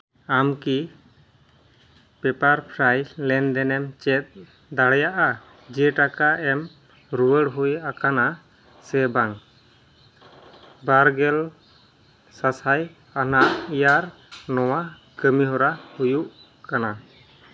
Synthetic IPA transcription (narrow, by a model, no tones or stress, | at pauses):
amki | pɛpaɾpʰɾajlɛnd̪ɛnɛmt͡ʃɛt̪̚ | d̪aɽɛjaʔa | d͡ʒiɛʈakaɛm | ɾuwəɽɦujakana | sɛbaŋ | baɾɡɛl | sasaj | anaʔijaɾ | nɔwa | kəmiɦɔɾahujuʔ | kana